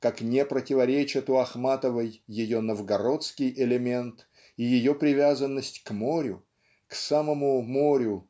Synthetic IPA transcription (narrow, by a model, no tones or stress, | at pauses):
kaknʲepɾətʲɪvɐɾʲet͡ɕɪt̪ʊɐxmat̪əvəjːɪjo̞nəvɡɐɾo̞t̪skʲɪjʔɪlʲɪmʲe̞nt̪ | ijɪjo̞pɾʲɪvʲazənːəsʲtʲkmo̞ɾʲʊ | ksaməmumo̞ɾʲʊ